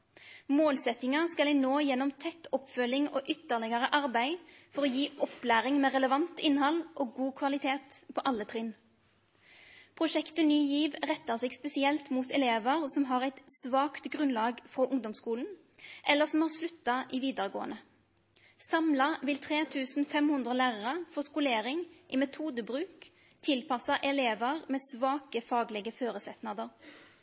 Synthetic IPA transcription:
moːlsɛt̪ɪŋɑskɑlɪnoːjɛnːɔmt̪ʰɛt̪ːɔpfœlɪŋoʔʏt̪ːəʁlɪɡəʁəʔɑʁbæɪfɔʁɔjiːʔɔplæːʁɪŋmɛːʁɛləʋɑnt̪ɪnhɑlːʔoːɡuːkʰʋɑlɪt̪ʰeːt̪pʰɔʔɑlːət̪ʰʁɪn | pʰʁʊʃɛkt̪ənyːjiːʋʁɛt̪ːɑʁsɛɡspɛsɪɛlt̪mut̪ɛleːʋəʁsɔmɦɑʁæɪt̪sʋɑːkt̪ɡʁʉnlɑːɡfʁɔʔʊŋd̪ɔmskuːln̩ | ʔɛlːəsɔmhɑːʁslʉt̪ːɑʔiʋiːd̪əʁəɡo̰ːənə | sɑmlɑʋɪlt̪ʰʁeːt̪ʰʉːsn̩fɛmhʉnd̪ʁəlæːʁɑʁəfɔskʊleːɾɪŋʔɪmɛt̪ʰuːd̪əbʁʉːk | t̪ʰɪlpʰɑsɑʔɛleːʋəʁmɛːsʋɑːkəfɑːɡlɪɡəføːɾəsɛt̪nɑd̪əʁ

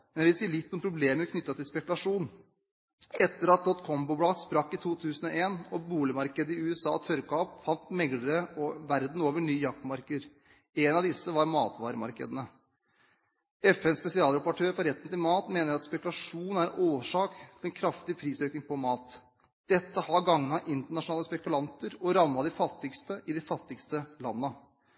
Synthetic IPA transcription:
mɛnjæʋɪlsiːəlɪt̪ːʊmpʰɾʊbleːməɾkʰnʏt̪ːɑt̪ʰɪlspɛkʉlɑʂuːn | ɛt̪ːəɾɑt̪̚d̪ɔt̪kʰɔmbʊblɑːspɾɑkːɪt̪ʰuːt̪ʰʉːsən̩ɔʔeːnɔbuːlɪmɑɾkəd̪əɪʉːɛsɑ̰ːt̪ʰœɾkɑɔpfɑnt̪mɛɡləɾəɔʋæɾd̪n̩oːʋəɳyːjɑk̚t̪mɑɾkəɾ | eːnɑʋd̪ɪsːəʋɑɾmɑːt̪ʋɑ̰ːɾəmɑ̰ɾkə̰d̪ənə | ɛfɛnspɛsɪɑːlɾɑpʊʈʰøːɾfɔɾɛt̪ːənt̪ɪlmɑːt̪meːnəɾɑt̪spɛkʉlɑʂuːnn̩æɾɛʔoːʂɑːkt̪ʰɪlɛnkʰɾɑft̪ɪpʰɾiːsøːknɪŋpʰɔmɑːt̪ | d̪̥ɛt̪ːəhɑɡɑŋnɑʔɪnt̪əɳɑʂʊnɑːləspɛkʉlɑnt̪əɾɔɾɑmːɑd̪ɪfɑt̪ːɪkst̪əʔɪd̪ɪfɑt̪ːɪkst̪əlɑnːə

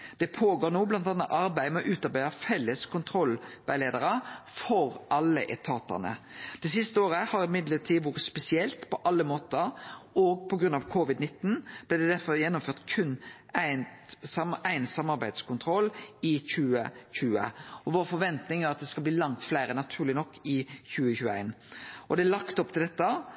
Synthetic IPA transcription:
d̪̥ɛpʰoːɡoːɾnoːblɑnt̪ɑnːɑt̪ɑɾbæɪmɛɔʔʉːt̪ɑɾbæɪɑfɛlːəskʰʊnt̪ʰɾɔlːʋæɪleːd̪əɾəfɔɾʔɑlːəʔɛt̪ʰɑːt̪ɑ̰ʁnə̰d̪̥ɛsɪst̪əoːɾəhɑɾɪmɪd̪ləʈ̪ʰiːʋuːɾət̪spɛsɪɛlt̪pʰɔʔɑlːəmoːt̪əɔɡ̚pʰɔɡɾʉnːɑʋkʰoʋɪd̪nɪt̪ːnb̥lɪd̪ɛd̪æɾfɔɾjɛnːʊmføːʁt̪kʰʉnː | æɪnsɑmæɪnsɑmːɑɾbæɪd̪skʰʊnt̪ʰɾɔlɪçʉːəçʉːə̰ɔʋoːɾfɔɾʋɛnt̪nɪŋæɾɑt̪̚d̪ɛskɑlbliːlɑŋt̪flæɪɾənɑt̪ʰʉːlɪnɔkːɪçʉːəçʉːæ̰ɪnʔɔd̪ɛælɑkt̪ɔpt̪ʰɪld̪ɛt̪ːə

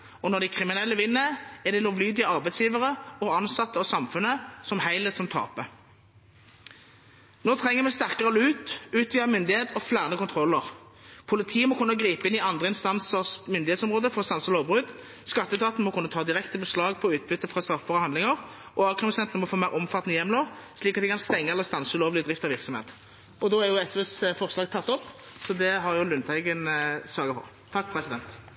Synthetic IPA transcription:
ɔnɔd̪æɪkʰʁɪmɪnɛlːəʋɪnːəɛd̪ɛloːʋlyːd̪ɪəɑʁbæɪsjiːʋəʁəɔɑnsɑt̪ːəɑsɑmfʉnəsɔmhæɪlɛt̪sɔmt̪ʰɑ̰ːpə | noːt̪ʰʁɛŋːəʁmɛst̪æʁkəʁəlʉːt̪ʉːt̪ʰʋiəmʏnd̪ɪheːt̪ɔflæːʁənəkʊnt̪ʰʁɔlːəʁpʰʊlɪt̪ʰiːəmɔkʰʊnːəɡʁiːpəɪnɪɑnd̪ʁəɪnst̪ɑnsəʁsmʏnd̪ɪheːt̪sɔmʁoːd̪əfɔʁɔst̪ɑnsəloːbʁʉd̪ | skɑt̪ːəst̪ʰɑːt̪n̩əmɔkʰʉnːət̪ʰɑːd̪ɪʁɛkt̪əbəslɑːɡpʰɔʉːt̪̚bʏt̪ːəfʁɑst̪ɾɑfəbɑʁɔhɑnd̪lɪŋəʁ | ʔɔɑːkʰʁəmsɛnt̪nəmɔfoːmæɪʁʔɔmfɑt̪ːənəjɛmːloːʁsliːkɑt̪ɪkʰɑnst̪ɛŋːəɛlːəʁst̪ɑnsəʉloːʋlɪd̪ʁɪft̪ɑʋɪʁksɔmhḛːt̪ | ʔɔd̪ɔːæʁjʊɛsɛsfɔʁslɑːɡt̪ʰɑt̪ːɔpːsɔd̪ɛɦɑʁjʊlʉnt̪ʰæɪɡənsɑːɡəfɔ̰ʁ | t̪ʰɑk̚ːpʰɾɛsɪd̪ɛnt̪

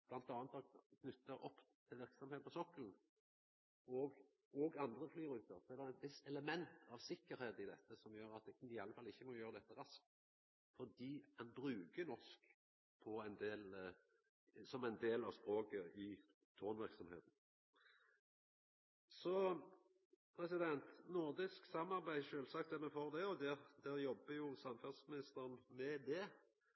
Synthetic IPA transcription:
b̥lɑnt̪ɑːnət̪ɔkʰnʉt̪ːəɾʔɔpːt̪ʰɪlʋɪʁksɔmheːd̪pɔsɔkːəln̩ | ɔːɡ | ɔɡɑnd̪ʁəflyːɾʉːt̪əʁsɔæʁd̪ɛænʋɪsɛləmɛnt̪ʰɑʋsɪkːəɾheːd̪ɪd̪ɛt̪ːəsɔmjøːɾɑt̪̚ɪɑlːəfɑlːɪçːəmɔjøːʁəd̪ɛt̪ːəʁɑsk̚t̪ | fɔʁd̪iːkʰɑnbʁʉːkənɔsk | pʰɔæɪnd̪eːl | sɔmæɪnd̪eːlɑʋspɾoːkəɪ | t̪ʰoːnʋæʁksɔmhḛːt̪n̩ | sɔ | pʰɾɛsɪd̪ɛnt̪nʊʁd̪ɪsksɑmːɑʁbæɪʃøːlsɑːkt̪ɛmɛfoːʁd̪ɛɔd̪ɛd̪æʁjɔbːəjʊsɑmfʉnsmɪnɪst̪əɾənmɛd̪ɛ

